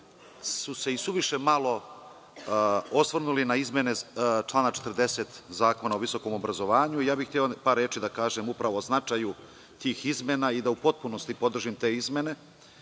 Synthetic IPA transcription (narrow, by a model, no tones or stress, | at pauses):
suse̞isuʋiʃe̞malˠo̞ | osʋr̩nulinaizme̞net͡ʃlˠaːnat͡ʃe̥t̪rɾd̪e̞set̪zaːko̞naoʋiso̞ko̞mo̞bɾazo̞ʋaːɲuijaːbixt̪iopaːɾeːt͡ʃid̪akaːʒemupɾaʋo̞znat͡ʂaju | t̪iːxizmenaid̪aupo̞t̪̚puno̞st̪ipo̞d̪r̩ʒimt̪e̞ːizme̞ne̞